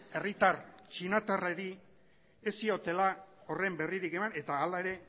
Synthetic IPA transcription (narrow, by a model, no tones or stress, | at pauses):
e̞rit̪art͡ʃinat̪areɾi | esio̞t̪e̞lao̞re̞mbe̞riɾike̞mane̞t̪aːlae̞ɾe̞